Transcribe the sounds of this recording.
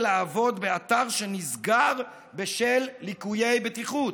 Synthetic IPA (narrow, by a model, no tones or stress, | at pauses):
laːvo̞d̪beat̪aʁʃenizɡaʁ | beʃelːikuje̞jbet̪iχut